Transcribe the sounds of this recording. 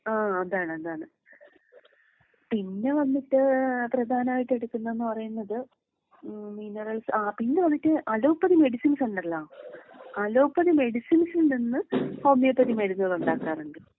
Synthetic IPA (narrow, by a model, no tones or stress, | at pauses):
aːɐðaːɳɨɐðaːɳɨ | pinːe̞ʋɐnːiʈːɨprɐd̪ʱaːnɐmaːjiʈːe̞ɽukːunːɐenːɨpɐrɐjunːɐðɨ | minɐrɐlsaːpinːeʋɐnːiʈːɨʔaːlo̞ːpːɐðime̞ɽisinseɳɖɐlːɐ | aloːpːɐðime̞ɽisinsilninːɨho̞ːmijɐpːɐðimeɽunːɐðuɳɖaːkːaːreŋɡil